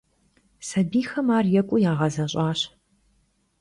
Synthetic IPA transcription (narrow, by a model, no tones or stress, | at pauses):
sɐbiːxɐmaːrjɛkʷʼʊjaːʁɐzɐɕʼaːɕ